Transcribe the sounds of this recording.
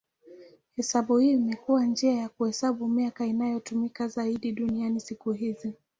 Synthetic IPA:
hɛsaɓuhiːimɛkuwand͡ʒiajakuhɛsaɓumiakainajɔtumikazaiɗiɗunianisikuɦizi

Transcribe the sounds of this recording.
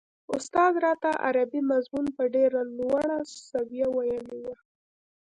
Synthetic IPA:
ʊst̪ɑd̪ɾɑt̪aʔa̰ɾabimazmunpəɖeɾalwaɽasabijawajanewa

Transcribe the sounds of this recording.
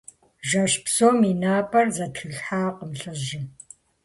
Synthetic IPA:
ʒɐʃpsoːminaːpʼɐrzɐtxɨɬħaːqəmɬɨʒɪ

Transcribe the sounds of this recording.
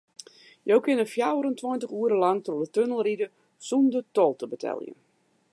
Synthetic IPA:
jowkɪnəfjawəɾəntwɔjntəχuəɾəlɑŋtrodətønəlˠridə | sundətɔlˠtəbətʰɛ̰lˠjə̰

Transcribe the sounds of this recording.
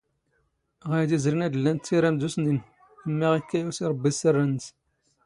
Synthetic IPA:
ʁæjd̪izɾinæd̪əlːænt̪ːiɾæmd̪usnin | θəmːiʁikːæjusiɾˤəbːisərːæns

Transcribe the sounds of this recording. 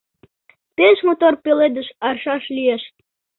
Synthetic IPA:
peʃmot̪orpeled̪əʃɑrʃɑʃlʲieʃt̪̚

